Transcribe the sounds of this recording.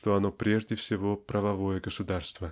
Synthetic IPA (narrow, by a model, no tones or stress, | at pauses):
t̪oɐnopɾʲeʐdʲɪfsʲɪvopɾəvɐvojəɡəsʊd̪arst̪və